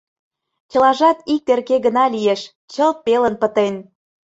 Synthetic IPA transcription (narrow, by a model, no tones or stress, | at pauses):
t͡ɕə̆lɑʒɑt̪ik̚t̪erkeɣə̆nɑlijeʃ | t͡ɕəlt̪̚pelənpə̆t̪en